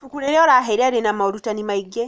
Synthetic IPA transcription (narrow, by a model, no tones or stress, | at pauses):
tukuleɾeolaɦeɾiaɾenamaolutanimaiɡe